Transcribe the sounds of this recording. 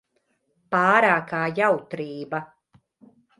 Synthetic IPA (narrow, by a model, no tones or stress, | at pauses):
paːɾaːkaːjawt̪ɾiːba